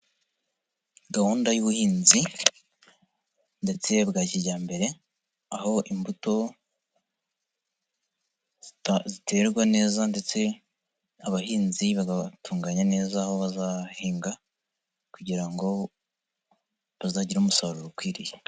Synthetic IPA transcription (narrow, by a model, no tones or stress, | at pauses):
ɡahuːndajuβuhiːnzi | nde̞t͡se̞bɡaːciɾɟaːmbe̞ɾe̞ | aho̞ʔimbuto̞ | zite̞ɾɡwane̞ːzande̞t͡se̞ | aβahiːnziβaɡatuːŋɡaɲane̞ːzaːho̞βazahiːŋɡa | kuɟiɾaŋɡo̞ | βazaːɟiɾuːmusaβɾoɾokwiːɾije